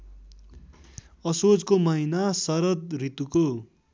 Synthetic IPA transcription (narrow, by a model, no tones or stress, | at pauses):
ʌsod͡zkomʌɦinasʌɾʌt̪̚rit̪uko